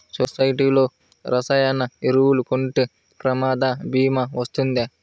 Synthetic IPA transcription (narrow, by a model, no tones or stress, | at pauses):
sosɐjʈiːloː | ɾɐsɐjanːɐiɾuwulukoɳʈu | pɾɐmaːd̪ɐbiːmɐʋɐst̪und̪e